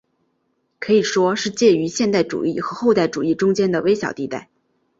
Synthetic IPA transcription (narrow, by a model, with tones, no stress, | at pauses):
kʰɤ˧˥i˨˩ʂwɔ˥ʂɻ̩˥˧t͡ɕjɛ˥˩y˧˥ɕjɛ˥˧nt̪a˥˩ɪʈ͡ʂṵ˨˩i˥˩xɤ˧˥xo˥˧ʊt̪a˥˩ɪʈ͡ʂu˨˩i˥˩ʈ͡ʂʊ˥ŋt͡ɕjɛ˥nd̪ə˨we˥ɪɕjɑ̰˨˩ʊt̪i˥˧t̪a˥˩ɪ